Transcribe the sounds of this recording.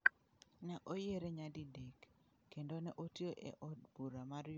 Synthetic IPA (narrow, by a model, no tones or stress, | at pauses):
nɛʔojeɾeɲadidekː | endonɛʔotioʔḛʔɔd̚buɾamaɾj